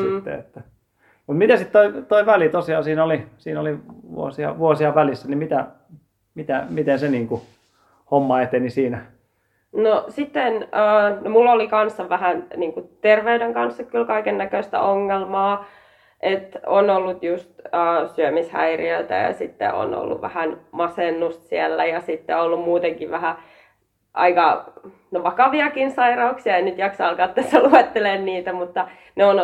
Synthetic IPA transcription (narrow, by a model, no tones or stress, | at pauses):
sit̪ːḛḛt̪ːæ | mut̪mit̪æsit̪t̪oit̪oiʋælit̪osiɑːsiːnolisiːnoliʋṵosiɑ̰ʋuosiɑʋælisːænimit̪æ | mit̪æmit̪enseniːŋku | homːɑet̪enisiːnæ | nosit̪ːenəːnomulːolikɑnsːɑʋʋæhænniːŋkut̪erʋeudeŋkɑnsːɑkkylkɑikenːækøst̪æ̰ʔoŋːelmɑː | ʔet̪o̰nolːut̪just̪əːsyømishæ̰irḭølt̪æ̰jɑ̰sit̪ːḛo̰no̰lːṵʋʋæ̰hænmɑsenːust̪siælːæjɑsit̪ːeolːummuːt̪eŋkiʋæhæ | ʔɑ̰ikɑ | noʋɑkɑʋiɑkinsɑirɑuksiɑeinyt̪jɑksɑːlkɑt̪ːæsːæluet̪ːelenniːt̪æmut̪ːɑ | neon